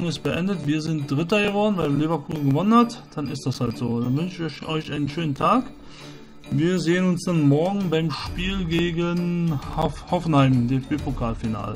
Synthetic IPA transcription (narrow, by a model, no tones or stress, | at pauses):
ŋɪst̚b̥əʔɛndətv̥iːɐzɪntd̥ʁɪtɐɡəvɔɐdn̩vaɪlevɐkʰuːzn̩ɡəvɔnənhatd̥anɪstd̥ashaltz̥oːd̥anvʏnʃɪççʔɔʏçʔaɪnənʃøːnən̩tʰaːk | viːɐzeːənʊnsd̥anmɔɐɡŋ̩baɪmʃpiːlɡeːɡənhhɔfn̩haɪmdeːɛfb̥eːpʰokʰaːlfina̰ːlə